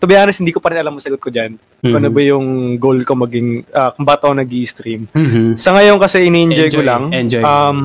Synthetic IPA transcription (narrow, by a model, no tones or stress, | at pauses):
t̪ʊbɐjaːhɐnɐshɪnd̪iːkopɐɾɪnɐlamːʊsɐɡot̪̚kod͡ʒan | ɐnobɐjʊŋɡolkomɐɡiŋʔɐkʊŋbaːt̪ɐonɐɡiʔst̪ɾimsɐŋɐjo̞nkɐsɛʔɪniːʔɛnd͡ʒojolaŋd͡ʒam